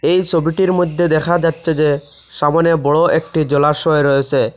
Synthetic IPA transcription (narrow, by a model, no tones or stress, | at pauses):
ejsobiʈiɾmod̪ʱːed̪ɛkʰad͡ʑatːɕʰed͡ʑe | ʃamanebɔɭoʔek̚ʈid͡ʑɔlaʃɔeɾɔet͡ɕʰe